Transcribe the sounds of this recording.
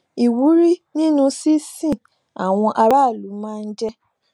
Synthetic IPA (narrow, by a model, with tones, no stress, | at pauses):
i˨wu˨˦ɾi˦nĩ˦nũ˦si˦sĩ˦˨ | a˨w̃ɔ̃˧ʔa˧ɾa˦˨lu˨˦mãː˦˧n̩˦d͡ʒɛ˦